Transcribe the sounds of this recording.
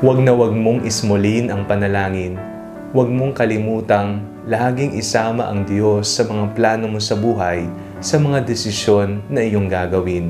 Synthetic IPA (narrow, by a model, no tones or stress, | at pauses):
wɐɡ̚nɐwɐɡ̚mo̞ŋʔɪsmolinʔɐŋpɐnɐlaːŋɪn | wɐɡ̚moŋkɐlɪmuːt̪ɐŋ | laːɡɪŋʔɪsaːmɐ̰ʔɐŋd̪jo̞sːɐmɐŋaplaːno̞mo̞sɐbuːɦɐj | sɐmɐŋad̪ɛsɪʃjo̞nːɐʔɪjo̞ŋɡaɡɐwɪn